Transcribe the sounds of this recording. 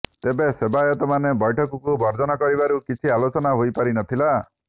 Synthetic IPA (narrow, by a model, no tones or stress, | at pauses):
t̪ebesebajɔt̪ɔmanebɔjʈʰɔkɔkubʱɔɾd͡ʒɔnɔkɔɾibaɾukit͡ʃʰialot͡ʃɔnaɦojpaɾinɔt̪ʰila